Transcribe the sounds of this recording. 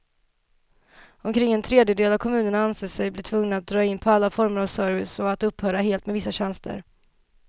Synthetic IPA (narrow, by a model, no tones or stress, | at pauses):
ɔmkʰɾɪŋːɛnt̪ʰɾeːd̪jəd̪eːlavkʰɔmʉ̟ːnəɳaanseːsɛjblɪʈʰvɵŋnaat̪̚d̪ɾɑːɪnːpʰɔalːafɔɾməɾavsœːɾvɪsɔat̪ɵpːhœːɾaɦeːlt̪mɛvɪsːaɕɛnst̪ʰə̰ɾ